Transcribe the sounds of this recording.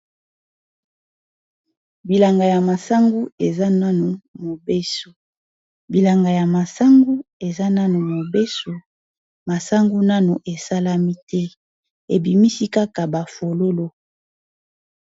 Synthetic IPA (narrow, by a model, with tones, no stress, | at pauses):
bi˨la˨ŋɡa˨ja˨ma˨sa˦ŋɡu˦e˨za˦na˦no˨mo˨be˦so˨ | bi˨la˨ŋɡa˨ja˨ma˨sa˦ŋɡu˦e˨za˦na˦no˨mo˨be˦so˨ | ma˨sa˦ŋɡu˦na˦no˨ʔe˨sa˦la˦mi˦tɛ˦ | e˨bi˨mi˦si˦ka˦ka˨ba˨fo˨lo˦lo˦